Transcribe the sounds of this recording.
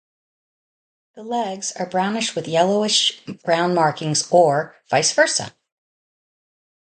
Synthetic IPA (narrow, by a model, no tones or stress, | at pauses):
ðəlɛɡz̥ə˞bɹãʊ̃nɨʃt̚wɨðjɛlˠoʊɪʃb̥ɹãʊ̃nmɑɹkɪ̃ŋzə˞v̥aɪsv̥ɜ˞sə̰